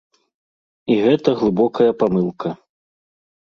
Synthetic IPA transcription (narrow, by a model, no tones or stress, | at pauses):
iɣɛt̪ɐɣlˠɨbɔkɐjɐpamɨlˠkʰɐ